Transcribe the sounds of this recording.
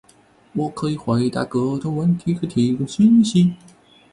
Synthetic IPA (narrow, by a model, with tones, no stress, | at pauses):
wɔ˨˩kʰɤ˧˥i˨˩xwe˧˥ɪ˧t̪a̰˧˥˩kɤ˧˥ʈ͡ʂ̪o˥wə˧˥nt̪ʰi˧˥xə˧˥t̪ʰi˧˥˧kə˥˧˩ɕi˥nɕi˧˥